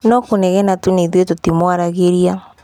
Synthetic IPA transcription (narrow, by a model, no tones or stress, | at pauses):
nɔkunɛɣɛnatuneðwetotimwaɾaɣeɾia